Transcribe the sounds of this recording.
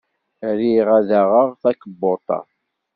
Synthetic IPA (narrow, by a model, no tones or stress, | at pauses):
ɾiʁæðaʁəʁθækːəbːʊt̪ˤɑ̰